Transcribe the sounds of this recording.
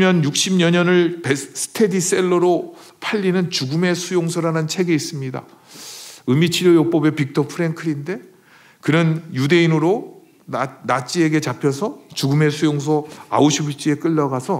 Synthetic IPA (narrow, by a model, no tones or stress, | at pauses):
mjʌnjuk̚ɕ͈imɲʌɲʌnɯɭpes͈ʰɯ̥tʰe̞dis͈e̞ɭːʌɾo | pʰaʎːinɯnt͡ɕuɡume̞sʰujoŋsʰoɾanɯnt͡ɕʰe̞ɡe̞is͈ɯmɲida̰ | ɯmit͡ɕʰiɾjojop͈ʌbe̞pik̚tʰʌpʰɯɾe̞nkʰɯɾinde̞ | kɯnɯnjude̞inɯɾo | nat͡ɕ͈ie̞ɡe̞t͡ɕapʰjʌsʰʌt͡ɕuɡume̞sʰujoŋs̬ʰʌa̰oɕʰibut͡ɕ͈ie̞k͈ɯʎːʌɡasʰʌ